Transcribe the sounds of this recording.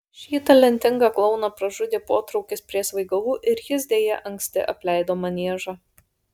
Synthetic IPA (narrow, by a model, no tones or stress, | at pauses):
ʃʲiːt̪ɐlʲɛnʲt̪ʲɪŋɡɑklˠɒʊnɐpɾɐʒʊd̪ʲeːpoːt̪ɾɒʊkʲɪspʲɾʲiɛsʋɐɪɡɐlˠuːʔɪɾjɪs̬d̪ʲeːjɛʔɐŋʲksʲt̪ʲɪ̰ʔɐpʲlʲɛˑɪd̪oːmɐnʲiɛʒɑ